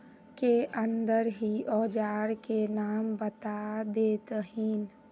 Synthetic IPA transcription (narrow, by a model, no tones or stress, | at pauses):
keʔə̃nd̪əɾɦiɔːd͡ʒaːɾkenaːmbət̪ad̪eːt̪ɦiːn